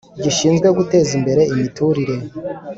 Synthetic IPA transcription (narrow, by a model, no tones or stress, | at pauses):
ɟiʃiːnzɡwe̞ɡute̞ːzimbe̞ɾe̞imituɾiɾe̞